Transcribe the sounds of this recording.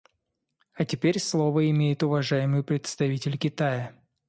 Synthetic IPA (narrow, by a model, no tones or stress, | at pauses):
ɐtʲɪpʲeɾʲslˠo̞vəɪmʲejɪt̪ʊvɐʐajɪmɨjpɾʲɪt̪st̪ɐvʲitʲɪlʲkʲɪt̪ajə